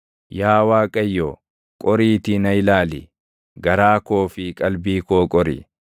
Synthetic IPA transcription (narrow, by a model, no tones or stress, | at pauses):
jaːwaːkʼɐjːo | kʼɔɾiːt̪ɪnɐɪlaːlɪ̰ | ɡɐɾaːko̞ːfɪkʼɐlbiːkoːkʼɔɾɪ̰